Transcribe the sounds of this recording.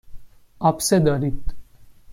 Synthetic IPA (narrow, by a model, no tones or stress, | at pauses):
apsed̪əɾit̪